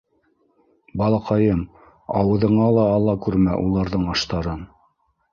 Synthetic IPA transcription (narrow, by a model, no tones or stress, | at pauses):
bɑlˠɑqɑjɤm | ɑwɤ̆ðɤ̆ɴɑlˠɑːlˠːɑkʉɾmæʔulˠɑɾðɤɴɑʃt̪ɑɾɤn